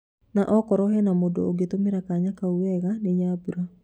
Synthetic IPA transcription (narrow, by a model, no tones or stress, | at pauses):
naʔɔkɔɾɔhɛnamodo̰oɡet̪omeɾakaɲakauwɛɣaneɲabuɾa